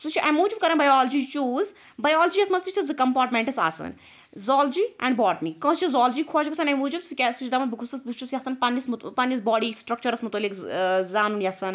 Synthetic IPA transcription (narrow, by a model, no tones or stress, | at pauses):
sut͡ʃʰiʔɐ̃muːd͡ʒubkɐɾɐ̃nbɐjɔːld͡ʒit͡ʃuːz | bɐjɔːld͡ʒijɐsmɐst̪it͡ʃʰt̪ɐsd̪ɨkɐmpaːɾʈmẽɳʈɐsa̰ːsɐ̰n | zɔːld͡ʒiːɛ̰̃ɳɖbɔːɾʈmikɐ̃ːt͡ʃizɔːld͡ʒikʰoːt͡ʃpɐsɐnɐ̃muːd͡ʒubskʲesut͡ʃʰd̪ɐmɐnbɨkʰust̪ɐsbɨst͡ʃusjɐsɐnpɐnːismpɐnisbɔːɽiːsʈɾɐk̚t͡ʃɐɾɐsmut̪ɐːlːikzaːnunjɐsɐn